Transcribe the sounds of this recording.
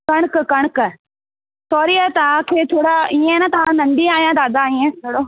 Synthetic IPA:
kɐɽ̃kkɐɽ̃k | sʰɔːɾiat̪ɐʋ̤ãkʰeːt̪ʰoːɽaiẽnɐt̪ɐʋ̤ãnɐ̃ɳɖiaːɦijãd̪aːd̪aiːẽt̪ʰoɽo

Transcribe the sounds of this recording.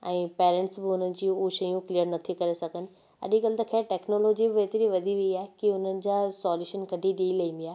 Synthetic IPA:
ɛ̃ːpeːɾɛ̃ɳʈsbɪʊnənd͡ʑiːuʃɐjũkliəɾnɐt̪ʰikɐɾesɐɡʱənɪ̆ | ɐ̰ɗiɡɐlɪt̪əkʰeːʈeːknoːloːd͡ʑibɪʋeːt̪ɾiʋɐd̪ʱiʋiiaːɦekiʊnənɪ̆d͡ʑaːsɔːljuːʃənɡʱɐɖʱiɗiːlɐĩːnd̪iaːɦ

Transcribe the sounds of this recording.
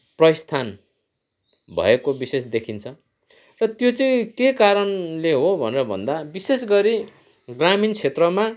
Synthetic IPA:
prʌjst̪ʰan | bʱʌ̰ekobisesd̪ekʰint͡sʰʌ | rʌt̪jot͡sʌĩkekaɾʌnleɦobʱʌneɾʌbʱʌ̰nd̪abisesɡʌɾi | ɡramint͡sʰet̪rʌma

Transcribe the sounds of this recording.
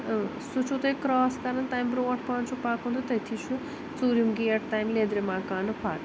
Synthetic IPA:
sut͡ʃʰut̪ɐjkɾɔːskɐɾɐnt̪aːjmbɾoːʈʰpaːɳt͡ʃʰupaːkũːnd̪ɐt̪ɐjt̪ʰit͡ʃʰu | t͡suːɾjimɡiːɐʈt̪aːjmleːd̪ɾemaːkaːnɨpʰa̰ːʈ

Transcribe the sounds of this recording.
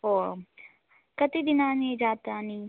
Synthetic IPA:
oːɾ | kɐt̪id̪ɪnãːnid͡ʒaːt̪aːniː

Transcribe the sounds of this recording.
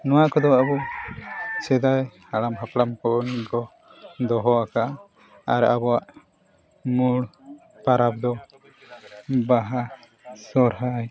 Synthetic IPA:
nɔwaʔkɔd̪ɔabɔ | t͡ʃɛd̪ajhaɽamɦaplamkɔʔɔnikɔ | d̪ɔɦɔaka | aɾabɔaʔ | muɽ | paɾap̚d̪ɔ | baɦa | sɔɾɦaj

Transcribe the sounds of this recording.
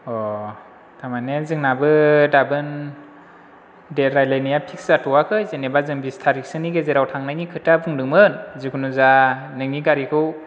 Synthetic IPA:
ɔ | tamanezɯŋnabɯdabɯn | deɾajlajnijapʰik̚szatʰɔwakʰɯjzenebazɯŋbistʰaɾik̚sɯniɡezeɾawtʰaŋnajnikʰɯtːabɯŋdɯŋmɯnzikʰunuzanɯŋniɡaɾikʰɯw

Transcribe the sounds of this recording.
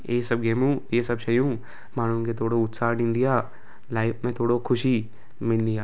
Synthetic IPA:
eːsɐb̚ɡeːmũːjeːsɐbʃɐjũː | maːn̤ũket̪ʰoːɽoʊt̪saːɦnɪ̃nd̪ijaː | laːɪpʰmẽt̪ʰoːɽokʰʊʃi | mɪnd̪ijaː

